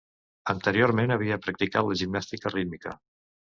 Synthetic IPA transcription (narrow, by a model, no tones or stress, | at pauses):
ənt̪əɾioɾmenəβ̞iəpɾək̚t̪ikat̪ləʒimnast̪ikərid̪mikə̰